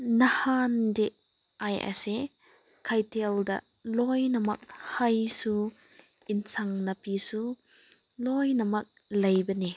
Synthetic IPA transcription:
nɐhandeʔ | ʔajʔɐ̰se | kʰɐjtʰeld̪ɐ̰ | lɔjnɐmɐk̚hɐjsu | insʰɐŋnɐpisu | lɔjnɐmɐk̚ | lɐjbɐni

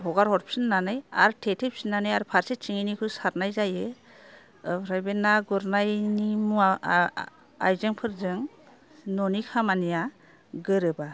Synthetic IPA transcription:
bɔɡaɾɦɔɾpʰsɯnːanɯja̰ɾtʰetʰep̚sinːanajaɾpʰaɾset͡ʃiŋinikʰɯsat̚najzajɯ | pɾajbenaɡuɾnajnimua | a̰jzɯŋpʰɯɾzɯŋ | nɔnikʰamanija | ɡɯɾɯba

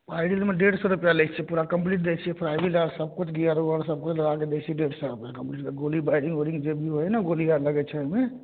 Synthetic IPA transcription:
paɪɖilmeɖeɽsɔɾupjalɛt͡ʃʰɛpuɾakəmpliʈ̚d̪et͡ʃʰiɛpʰɾajbiləɾsəb̚kut͡ʃʰɡiaɾuəɾsəb̚kut͡ʃʰləɡaked̪et͡ʃʰiɛɖeɽsɔɾupjakəmpliʈkeɡolibajɖiŋɡoɾiŋɡd͡ʒebʱiɦojnaɡoliaɾləɡɛt͡ʃʰɛəme

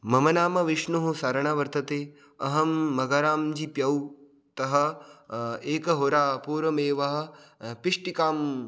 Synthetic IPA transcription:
mɐmɐnaːmɐʋiʂɳuɦusɐɾɐɳaʋɐɾt̪ɐt̪eː | ɐɦɐmːɐɡɐɾaːmd͡ʒipjɐw | t̪ɐɦɐ̆ | eːkɐɦoɾaːpuːɾʋɐmeːʋɐɦɐ̆piʂʈikaːm

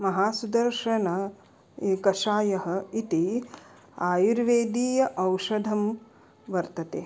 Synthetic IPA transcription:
mɐɦaːsud̪ɐɾʃɐnɐ | kɐʃaːjɐɦɐ̆it̪i | aːjuɾʋeːd̪iːjɐʔɐwʃɐd̪ʱɐm | ʋɐɾt̪ɐt̪eː

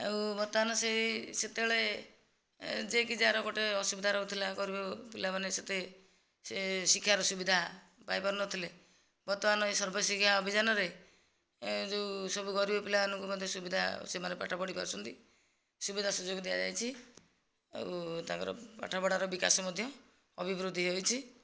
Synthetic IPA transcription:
ḛũbɔt̪ɔanɔseset̪eɭe | d͡ʒekid͡ʒaɾɔɡɔʈeɔsubid̪ʱaɾɔut̪ʰilaɡɔɾibepilamaneset̪e | sesikʰjaɾɔsubid̪ʱa | pajbɔɾnɔt̪ʰile | bɔt̪ɔanɔesɔɾbʱɔsikʰjaɔbʱid͡ʒanɔɾe | d͡ʒeusɔbuɡɔɾibɔpilabanɔŋkumɔd̪ʱjɔsubid̪ʱa̰semanepa̰ʈʰabɔɽipa̰ɾɔsunt̪i | subid̪ʱasud͡ʒoɡɔd̪ija̰d͡ʒa̰jt͡ʃʰi | ḛwt̪ã̰ŋkɔ̰ɾɔ̰pa̰ʈʰabɔɽaɾɔbika̰sɔmɔd̪ʱjɔ | ɔbʱibɾud̪ʱːiɦojt͡ʃʰi

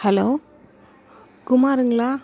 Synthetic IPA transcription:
hɛlow | kumaɾɯŋla

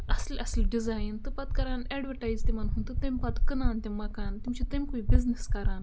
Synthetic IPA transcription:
ɐslʔɐslʲɖizajnt̪ɨpat̪kɐɾanɛɖʋəɾʈajzt̪imanɦunt̪ɨt̪ẽmʲpat̪kənant̪ʲẽmɐkant̪imt͡ɕit̪ẽmkuibizneskaɾãn

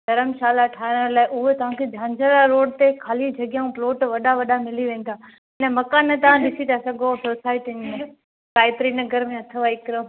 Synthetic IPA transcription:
dɐɾəmʃaːlaʈʰaːɪnɾlaːɪʔʊɦet̪ɐʋ̤ãkʰed͡ʒʱãːɲd͡ʒəɾaɾoːɽt̪ekʰaːlid͡ʑʱɐɡjãũploːʈʋɐɗaʋɐɗamɪliʋẽːn̆d̪aː | ɪnəmɐkaːnət̪ɐʋãɗɪsit̪asɐɡʱosoːsaːɪʈine | kaːɪp̪ɾiːnɐɡəɾmẽɐt̪ʰəʋaɪkɾo

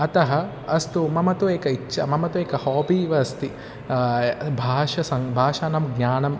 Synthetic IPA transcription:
ɐt̪ɐɦɐ | ɐst̪umɐmɐt̪ueːkɐit͡ʃːʃʰɐmɐmɐt̪ueːkɐhoːbiːʋɐɐst̪i | bʱaːʂɐsɐŋbʱaːʃaːnɐmɡɲaːnɐm

